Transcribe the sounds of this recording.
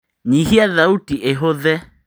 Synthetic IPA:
ɲihiaðautiʔeɦoðɛ

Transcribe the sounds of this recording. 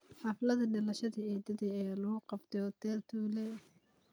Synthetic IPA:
ħɑflɐðɐɖɪlɐʃɐðɐɛːd̪ɐðɛɛːlɐɣʊqɑbt̪ʰɛɔt̪ɛrt̪ʰuːlɛ

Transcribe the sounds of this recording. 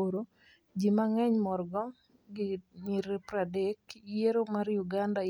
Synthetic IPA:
oɾo | d͡ʒimaŋɛɲmɔrɡɔ | ɡɪniɾepɾadekjeɾomaɾjuɡanda

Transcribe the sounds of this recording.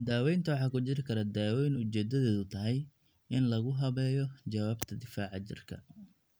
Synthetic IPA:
d̪aːwɛjnt̪ʰɐwɑħɑːkʊt͡ʃɪɾɪkʰɐɾad̪aːwɛjnʊt͡ʃɛːd̪ɐðɛːðʊt̪ʰɐɦɛj | ɪnlɐɣʊɦɐβɛːjɔt͡ʃɐwaːbt̪ʰɐd̪ɪfaːʕɑt͡ʃɪ̰rkʰɐ̰

